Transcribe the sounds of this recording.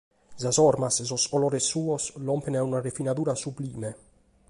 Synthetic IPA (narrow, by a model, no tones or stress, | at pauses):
zazɔɾmasezosɔlɔɾesːuːoslɔmpenɛunarefinaðuːɾasubliːme